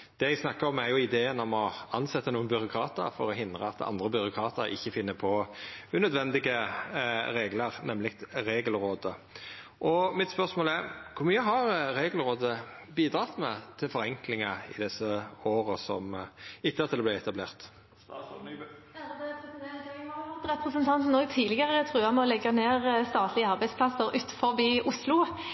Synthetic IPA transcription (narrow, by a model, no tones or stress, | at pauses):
d̪̥ɛjæɡsnɑkːəɾɔmæɾjʊɪd̪eːənɔmɔɑnsɛt̪ːənuːənbʏɾʊkʰɾɑːt̪ə̰ɾfɔɾɔɦɪnd̪ʁə̰ɑt̪ɑ̰nd̪ʁəbʏɾʊkʰɾɑːt̪əɾɪ̰çːəfɪnːəpʰɔʉnœd̪ʋɛnd̪ɪɡə | ɾeːɡləɾnɛmlɪkt̪ɾeːɡəlɾoːd̪ə | ʔɔmɪt̪spœʁsmoːlæɾkʰʊɾmyːəɦɑɾɾeːɡəlɾoːd̪əbiːd̪ɾɑːt̪mɛt̪ʰɪlfɔɾɛŋklɪŋɑɪ̰d̪ɛsəoːʁəsɔ̰mɪt̪ːəɑt̪ʰɪɛb̪læɪɛt̪ɑblḛːʁt̪ | ʊt̪ʁɛpʁəsənt̪ʰɑnt̪n̩oːɡ̚t̪ʰiːlɪɡəʁət̪ʰʁʉːɑmɛɔlɛɡɑneːʁst̪ɑːt̪ʰlɪəɑʁbæɪspʰlɑsəʁʉːt̪fɔʁbiːʔʊslʊ